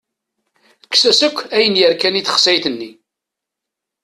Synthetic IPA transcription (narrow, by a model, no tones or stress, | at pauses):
kːsæsəkʷːæjənjəɾkæniθə̥χsæjθənːi